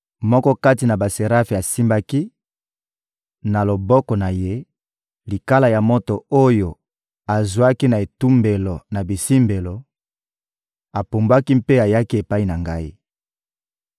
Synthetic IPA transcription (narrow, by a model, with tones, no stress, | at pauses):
mɔ˦kɔ˦ka˦ti˨na˨ba˨se˨ʁa˦fe˨a˨si˦mba˦ki˦ | na˨lo˨bɔ˦kɔ˨na˨je˦ | li˨ka˦la˨ja˨mo˦to˨o˦jo˨ | a˨zwa˦ki˦na˨e˨tu˦mbe˨lo˨na˨bi˨si˦mbe˨lo˨ | a˨po˨mba˦ki˦mpe˦a˨ja˦ki˦e˨pa˦i˦na˨ŋɡa˦i˦